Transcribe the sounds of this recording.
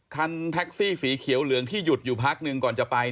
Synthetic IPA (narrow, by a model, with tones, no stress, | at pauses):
kʰa˧nt̪ʰɛ˦˥k̚siː˥˩siː˩˦kʰi˨˩˦əwlɯ˨˩˦əŋt̪ʰiː˥˩ju˨˩t̪̚juː˨˩pʰaː˦˥k̚nɯ˧ŋkɔː˨˩nt͡ɕa˨˩pa˧j